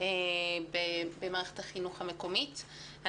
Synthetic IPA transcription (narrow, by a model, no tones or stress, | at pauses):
ebebemaːʁeχetaχinuχameko̞mitha